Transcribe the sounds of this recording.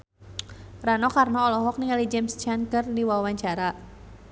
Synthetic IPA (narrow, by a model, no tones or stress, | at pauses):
ranɔkarnaɔlɔɦɔk̚niŋalid͡ʒɛmst͡ʃankərdiwawaɲt͡ʃaɾa